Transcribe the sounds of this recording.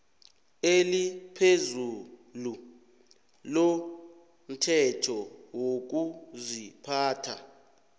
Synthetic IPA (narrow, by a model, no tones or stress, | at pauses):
elipʰezulu | lo | m̩tʰɛtʰɔwok̬uzipʰaːtʰa̰